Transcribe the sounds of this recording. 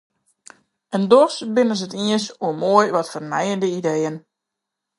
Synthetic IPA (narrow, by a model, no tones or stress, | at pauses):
əndɔsbɪnəsətiəsuəmoəjʋɔtfərnɛjəndəideːjən